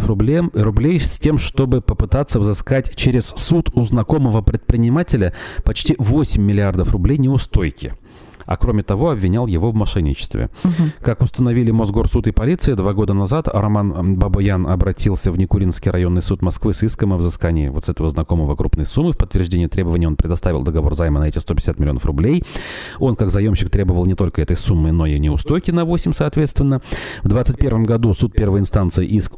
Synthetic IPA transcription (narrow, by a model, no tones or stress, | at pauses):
ʊblʲejsʲtʲemʂt̪o̞bɨpəpɨt̪at̪sːəvzɨskatʲt͡ɕeɾʲɪssut̪ʰʊznɐko̞məvəpɾʲɪt̪̚pɾʲɪnʲɪmatʲɪlʲəpɐt͡ɕtʲivo̞sʲɪmʲːɪlʲɪard̪əfrʊblʲejnʲɪʊst̪o̞jkʲɪ̰ | ɐ̰kɾo̞mʲɪt̪ɐvo̞ɐbvʲɪnʲalˠjɪvo̞vmɐʂɛnʲːɪ̰t͡ɕɪ̥st̪vʲɪ̰kakʊst̪ənɐvʲilʲɪmozɡo̞rsut̪ɪpɐlʲit̪sɨɪd̪vaɡo̞d̪ənɐzat̪ɐ̰ɾɐmanbɐbɐjanɐ̰bɾɐtʲʰilˠsʲəvnʲɪkʊɾʲinskʲɪjɾɐjo̞nːɨjsut̪mɐskvɨsiskəməvzɨskanʲɪɪ̰vo̞t̪sɛt̪əvəznɐko̞məvəkɾupnəjsumːɨfpət̪ːvʲɪrʐd̪ʲenʲɪət̪ɾʲe̞bəvənʲɪəopɾʲɪd̪ɐst̪avʲɪlˠd̪əɡɐvo̞̰rzajmənɐɛtʲɪst̪opʲɪd̥ʲɪsʲat̪mʲɪlʲɪo̞nə̰frʊblʲej | o̞nkaɡzɐjo̞mɕːɪk̚t̪ɾʲe̞bəvəlˠnʲɪt̪o̞lʲkəɛt̪əjsumːɨno̞inʲɪʊst̪ojkʲɪnɐvo̞sʲɪmʲsɐːt̪vʲet̪st̪vʲɪnːəvd̪vat̪sɨt̚ʲpʲe̞rvəmɡɐd̪usut̪̚pʲe̞rvəjɪnst̪ant̪sɨɪʔisk